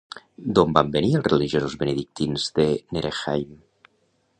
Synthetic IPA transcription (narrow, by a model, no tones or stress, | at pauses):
d̪ombambenielˠsreliʒiozozβeneðik̚t̪inzðeneɾexajm